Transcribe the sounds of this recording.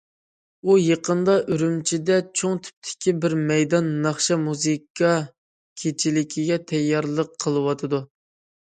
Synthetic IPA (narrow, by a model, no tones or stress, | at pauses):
ujeqʰənd̪ɑʔyɾymt͡ʃʰid̪ɛt͡ʃʰoŋt̪ʰy̥p̚t̪ʰɪ̥kʲibɪɾmɛjd̪ɑnːɑχʃɑmuzɨkʰɑ | kʲʰet͡ʃʰilɪkʲʰiɡʲɛt̪ʰɛjːɑɾlˠəqʰːəlˠɨwɑt̪ʰɨd̪u